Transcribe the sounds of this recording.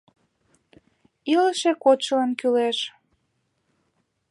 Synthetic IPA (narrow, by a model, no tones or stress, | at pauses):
iləʃekot͡ɕələnkyleʃ